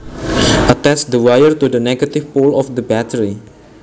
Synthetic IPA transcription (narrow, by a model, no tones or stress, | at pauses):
ʔətɛt͡ʃd̪əwajərt̪udənɛɡət̪ifpolɔfd̪əbɛtəɹi